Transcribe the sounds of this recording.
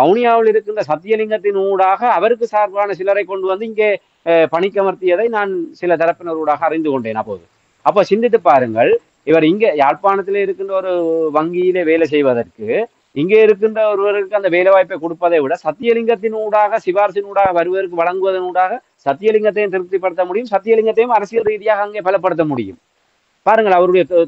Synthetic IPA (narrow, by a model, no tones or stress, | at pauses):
ɐʋnɪjaːʋɪlɪɾɯkːɯndrɐsɐt̪ːɪjɐlɪŋɡɐt̪ːɪnuːɽaːɣɐːʋɐɾɯk̬ːɯsaːɾkaːnɐsɪlɐɾɐɪkːɔɳɖɯʋɐnd̪ɯɪŋɡeː | pɐɳɪkːɐmɐɾt̪ːɪjɐðɐɪnaːnsɪlɐt̪ɐɾɐpːɪnɔɾuːɽaːɣɐɐrɪnd̪ɯkɔɳɖeːnɐpːo̰ːðɯ | ɐpːoːsɪnd̪ɪt̪̬ːɯpːaːɾɯŋɡɐɭ | ɪʋɐɾɪŋɡeːjaːɻpaːnɐt̪ːɪleːɪɾɯkːɯndrɐɔɾɯʋɐŋɡɪjɪleːʋeːlɛs̬ɛjʋɐðɐrkɯ | ɪŋɡeːɪɾɯk̬ːɯndrɐɔɾɯʋɐɾɯkːɯɐnd̪ɐʋeːlɛʋaːjpːɐɪkɔɽɯpːɐðɐɪʋɪɽɐsɐt̪ːɪjɐlɪŋɡɐt̪ːɪnuːɽaːɣɐsɪʋaːɾsɪnuːɽaːɣɐʋɐɾɯʋɐðɐɾɯk̬ːɯʋɐɭɐŋɡɯʋɐðɐnuːɽaːɣɐ | sɐt̪ːɪjɐlɪŋɡɐt̪ːɐjɯmt̪ɪɾɯt̪ːipːɐɽɯt̪ːɐmʊɽɪjɯmsɐt̪ːɪjɐlɪŋɡɐt̪ːɐjɯmɐɾɐsɪjɐɾiːðɪjaːɣɐːŋɡeːpɐlɐpːɐɽɯt̪̬ːɐmʊɽɪjɯ̰m | paːɾɯŋɡɐɭɐʋɐɾɯɽɐjɐ